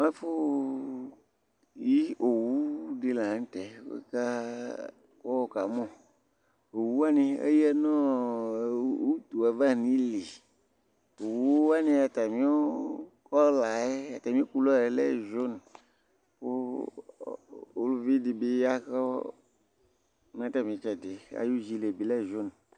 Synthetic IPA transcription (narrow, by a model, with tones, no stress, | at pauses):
mã˦fo˦ | ji˦o˨wu˦ɖe˨la˨n̩˦t̪ɛ˨˦wḛ˦ka˦ | kɔ˦wɔ˨ka˨mɔ̃˦ | o˨wu˦wa˦nẽ˨ḛ˦jɛ˦nɔ̃˦˨ | wu˦t̪u˨a˨va˦˨nĩ˦li˨ | o˨wu˨o˦wa˦nẽ˦a˨t̪a˨mĩ˦o˦kɔ˦la˨e˦a˨t̪a˨mĩ˦o˦ku˦lɔ˦˨e˨˦lɛ˦˨ʒo˦n˨ | po̰˦ | o˦lu˦vi˦di˨be˦a˦kɔ˦ | mĩ˨˦ã˦t̪a˨mĩ˨˦t͡ʃɛ˨de˨a̰˨ju˦d͡ʒi˦le˨bi˨lɛ˦˨ʒo˦n˨